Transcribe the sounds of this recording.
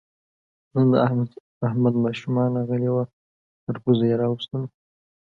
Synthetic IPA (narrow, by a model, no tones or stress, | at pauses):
nand̪əa | ahmad̪mɑʃumɑnɾɑɣəlewa | t̪əɾpuzajaɾɑwust̪əm